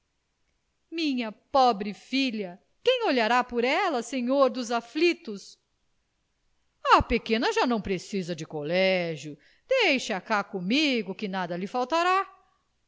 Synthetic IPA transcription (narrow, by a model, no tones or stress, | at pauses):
mĩɲɐpobɾɪfiʎɐ | kẽj̃oʎaɾapʊɾɛlɐsẽɲoɾd̪ʊzaflit̪ʊs | ɐpekẽnɐʒanɐ̃w̃pɾesizɐd͡ʒɪkolɛʒjʊ | d̪̥ejʃakakõmiɡʊkɪnad̪ɐlɪfawt̪aɾa